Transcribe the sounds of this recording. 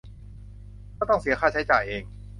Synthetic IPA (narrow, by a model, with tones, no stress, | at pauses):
aː˥˩t̪ɔ˥˩ŋsi˨˩˦ɐxʰaː˥˩t͡ɕʰa˦˥t͡ɕa̰ː˨˩jʔeː˧ŋ